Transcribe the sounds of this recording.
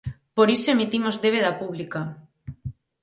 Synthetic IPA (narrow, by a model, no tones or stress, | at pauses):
poɾisoeemit̪imozðeβeðapuβ̞lika